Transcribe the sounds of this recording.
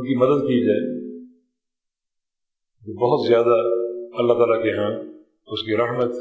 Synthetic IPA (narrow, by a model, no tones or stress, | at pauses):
kimɐd̪əd̪kid͡ʒaːe | d͡ʒoːbɔɦʊt̪zjaːd̪aɐlːat̪aːlakeɦãː | ʊskiɾɐɦmət̪